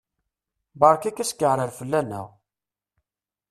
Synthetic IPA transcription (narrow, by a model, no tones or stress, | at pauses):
bɑɾˤkækːæskːəʕnəɾfəlːænːæ̰ʁ